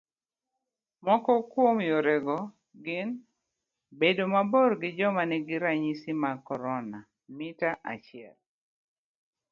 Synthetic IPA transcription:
mɔkɔkwomjoɾɛɡɔ | ɡɪn | bedomabɔɾɡɪd͡ʒɔmanɛɡɪɾaɲisimakɔɾɔna | mɪtaʔat͡ʃɪɛ̰l

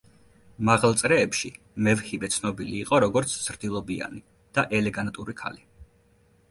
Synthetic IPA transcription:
maʁlˠt̪sʼɾɛːpʃi | mɛvχivɛt̪sʰnɔbiliːqʼɔɾɔɡɔɾt̪sʰz̥ɾd̪ilˠɔbia̰ni | d̪̥aʔɛlɛɡant̪ʼuɾikʰa̰li

